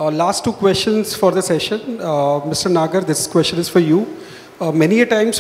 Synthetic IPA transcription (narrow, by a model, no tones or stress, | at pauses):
laːsʈːuːkwɛst͡ʃə̃nzfɔɾd̪əsɛʃə̃nmɪsʈəɾnaːɡəɾd̪ɪskwɛst͡ʃə̃nɪz̥fɔɾjuː | mɛniəʈãɪ̃ms